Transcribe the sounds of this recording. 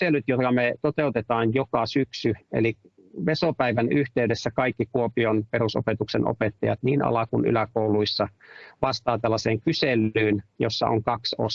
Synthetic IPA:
elˑyt̪jot̪kɑmet̪ot̪eut̪et̪ɑːnjokɑsyksyḛli | ʋesopæiʋænyht̪eydesːækɑikːikuopionpeɾuso̰pet̪ukseno̰pet̪ːɑjɑt̪niːnɑ̰lɑkuny̰lækouluisːɑʋɑst̪ɑːt̪ælːɑseːŋkyselyːnjosːɑ̰ʔo̰ŋkɑkso̰s

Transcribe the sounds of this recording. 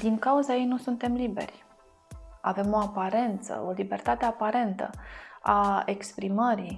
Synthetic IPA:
d̪iŋkauzajejnusunt̪e̞mlibe̞̰rʲ | ave̞mo̞apaɾe̞nt̪sə̰o̞libe̞rt̪at̪e̞apaɾe̞nt̪ə̰ae̞kspɾiməɾi

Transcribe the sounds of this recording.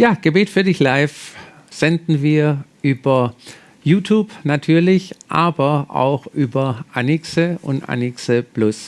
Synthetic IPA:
jaːɡ̥əbɛːtfyːɐdɪçlaɪf | z̥ɛndn̩viːɐʔyːbɐ | juːtʰjuːbnatʰyːɐlɪçʔaːbɐʔa̰ʊxʔyːbɐʔa̰nɪksəʔʊ̰ntʔa̰nɪksəplʊs

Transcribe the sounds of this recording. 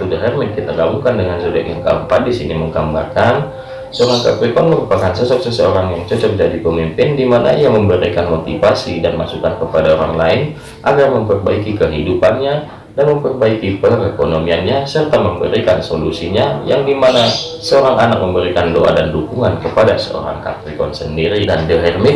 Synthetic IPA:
t̪udɾɛrmɛt̪̚kit̪aɡabuŋkandəŋansodɛʔja̰ŋka̰mpandisḭniməŋɡamba̰rkan | səoɾaŋka̰pikɔnməɾupakansəsɔp̚səsəoɾaŋjaŋt͡ʃɔt͡ʃɔr̚d͡ʒadipəmimpɪndimana̰ijaməmbəɾḭkanmot̪ifasidanmasukankəpadaoɾaŋlaɪn | ʔaɡarməmpərbaikikəɦidupanɲa | danməmpərbaikipərɛkonomianɲasərt̪aməmpə̰ɾikansolusiɲajaŋdimana | səoɾaŋanak̚məmbəɾikandoʔa̰dandukuŋankəpadasə̰o̰ɾa̰ŋka̰k̪ikɔnsəndiɾidandəɦɛrmɪ

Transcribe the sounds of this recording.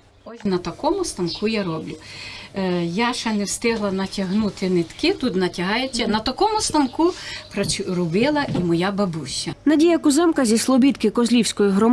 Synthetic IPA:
ɔsʲnɐt̪ɐkɔmʊst̪ɐnkʰujaɾɔblʲʊ | jaʃɐnɛwst̪ɪɦlˠɐnɐtʲɐɦnut̪ɪnɪt̪kɪt̪ut̪nɐtʲɐɦɑjɛt͡sʲːɐnɐt̪ɐkɔmʊst̪ɐnkupɾɐt͡ʃrʊbɪlˠɐʔimɔjabɐbuɕʲːɐnɐdʲijɐkʊzɛmkɐzʲislˠɔbʲit̪kɪkɔzlʲiwsʲkɔjiɦɾɔm

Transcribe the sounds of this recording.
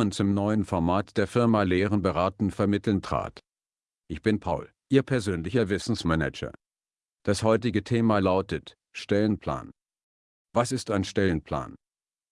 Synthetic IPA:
ənt͡sʊmnɔʏənfɔɐmaːtd̥eːɐfɪɐmaleːʁənbəʁaːtn̩fɛɐmɪtl̩ntʁ̥a̰ːt | ʔɪçb̥ɪnpʰaʊl | ʔiːɐpʰɛɐzøːnlɪçɐvɪsn̩smɛnɛ̰d͡ʒɐ̰ | d̥ashɔʏt̬ɪɡətʰeːmalaʊtət | ʃtɛlənpʰl̥a̰ːn | vasɪstaɪnʃtɛlənpʰl̥a̰ːn

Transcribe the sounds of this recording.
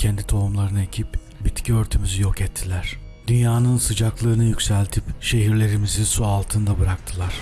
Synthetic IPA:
cʰɛnd̪it̪ʰo̞umlˠaɾɯnɯe̞cʰip | bit̪cʰiø̞ɾt̪ʰymyzyjo̞kɛt̪ʰːilʲæɾ̥ | d̪ynjaːnɯnsɯd͡ʒaklˠɯːnɯjycʲsælʲt̪ʰipʃe̞ɦiɾlʲe̞ɾimizisualˠt̪ʰɯnd̪abɯɾak̚t̪ʰɯlˠaɾ̥

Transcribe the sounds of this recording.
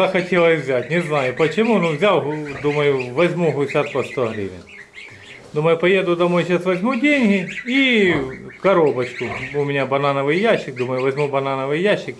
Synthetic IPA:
ɐxɐtʲelˠɐsʲvʲzʲatʲnʲɪznajʊpɐt͡ɕɪmunuvzʲawɦd̪umɐjʊʋɐzʲmuɦʊsʲat̪pɐst̪oɦɾʲḭʋʲɪ̰n | d̪umɐjʊpɐjed̪ʊd̪ɐmojɕasʋɐzʲmudʲenʲɦɪi | kɐɾobɐt͡ɕkʊʊmʲɪnʲabɐnanəʋɨjjaɕːɪk̚d̪uməjʊʋɐzʲmubɐnanəʋɨjjaɕːɪk

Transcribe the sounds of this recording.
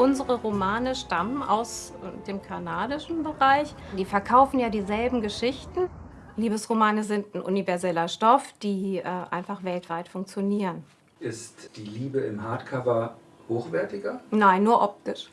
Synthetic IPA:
ʔʊnzəʁəʁomaːnəʃtamənʔa̰ʊs | deːmkʰanaːdɪʃn̩bəʁaɪç | diːfɛɐkʰaʊfn̩jaːdiːzɛlbm̩ɡəʃɪçtn̩ | liːbəsʁomaːnəzɪntn̩ʔʊ̰nivɛɐzɛlɐʃtɔfd̥iːʔʔa̰ɪnfaχv̥ɛltv̥aɪtfʊŋk̚t͡sjoniːʁən | ʔɪstd̥iːliːbəɪmhaɐtkʰavɐ | hoːxv̥ɛɐtɪɡɐnaɪnːuːɐʔɔp̚tɪʃ

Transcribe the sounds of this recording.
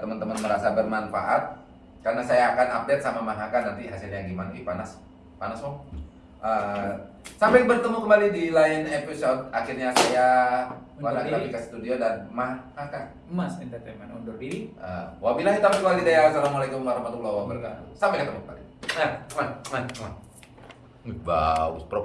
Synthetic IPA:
t̪əmənt̪əmənməɾasabərmanfa̰ʔat̪̚ | karnasajaːkanap̚det̪̚samamaɦakanant̪iɦasilɲaɡimanḭpanas | panasmɔ | ʔə | sampɛbərt̪əmukəmbalidilaɪnepisɔt̪̚axɪrɲasaja | wanakit̪abikasə̥t̪udiodanmahaka | masindat̪amanaundʊrdiə̰wabilakit̪ampɛkəmalidajasalamualakumwaɾɑhmat̪ulːɔhwabəlkasampaɛkət̪əmukəmba̰lḭamamama | ba̰ṵspɾɔ

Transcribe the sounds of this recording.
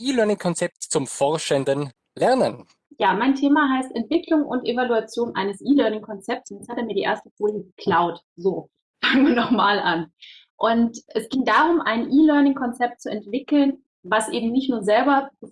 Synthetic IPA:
ʔiːlœɐnɪŋkʰɔnt͡sɛp̚tt͡sʊmfɔɐʃɛndən | lɛʁnən | jaːmaɪntʰeːmaɦaɪstɛntv̥ɪklʊŋʔʊ̰ntʔevaluat͡sjoːnʔa̰ɪnəsʔiːlœɐnɪŋkʰɔnt͡sɛp̚tsʊnshateɛɐmiːɐdiːʔḛɐstəfoːljəɡəkʰl̥aʊt | zoː | faːɡŋviːɐnɔχmaːlʔan | ʔʊntʔɛsɡ̥ɪŋdaːʁʊmʔa̰ɪnʔiːlœɐnɪŋkʰɔnt͡sɛp̚t̚t͡suɛntv̥ɪkl̩n | vasʔeːbm̩nɪçtnuːɐzɛlbɐ

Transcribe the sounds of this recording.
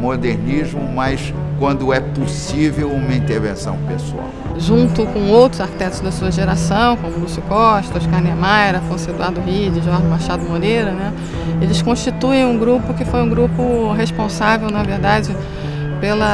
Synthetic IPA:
mod̪eɾniʒmʊmɐjs | kwɐ̃nd̪ʊɛposivewũmɐĩnt̪eɾvḛ̃sɐ̰̃w̃pesua̰wʒũnt̪ʊkõw̃owt̪ɾʊzaɾki̥t̪ɛt̪ʊ̥zd̪ɐsuɐʒeɾasɐ̃w̃kõmʊlusikɔʃt̪ʊʃkanɐmajɾɐfɐ̃sed̪uaɾd̪ʊɦid͡ʒɪʒaɾd̪ʊbaʃaɾd̪ʊmoɾejɾɐnɛ | elɪskõʃt͡ʃit̪uẽj̃ũɡɾupʊkɪfojũɡɾupʊɦeʃpõsavewnɐveɾd̪ad͡ʒɪ | pelɐ

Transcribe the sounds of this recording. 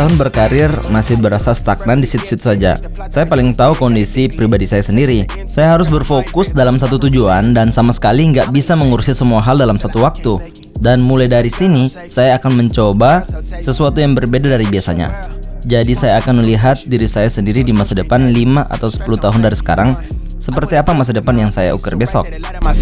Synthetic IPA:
t̪aɦʊnbərkaɾɪrmasɪhbəɾasast̪ak̚nandisit̪u̥sit̪u̥sad͡ʒa̰ | sajapalɪŋt̪aukɔndisipɾibadisajasəndiɾi | sajaɦaɾʊs̬bərfokʊsdalamsat̪ut̪ud͡ʒuandansamasə̥kaliŋɡaʔbisaməŋuɾsiasəmuaɦaldalamsat̪uwak̚t̪u | danmulajdaɾisini | sajaːkanməɲt͡ʃobasəsuat̪ujaŋbərbedadaɾibiasa̰ɲa̰d͡ʒadisajaːkanməliɦat̪̚diɾisajasəndiɾidimasadəpanlimaʔa̰t̪awsə̥puluht̪aɦʊndaɾisə̥ka̰ɾaŋ | səpərt̪iapamas̬adəpanjaŋsaja̰ṵkərbesɔ̰k̚

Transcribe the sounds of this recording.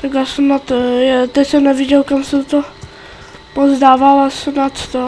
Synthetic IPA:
t̪aɡasɛmnat̪jɛt̪ɛcʲsɛnɛvɪɟɛlkamsɛt̪o | pozdaːvalasɛmnat̪st̪a

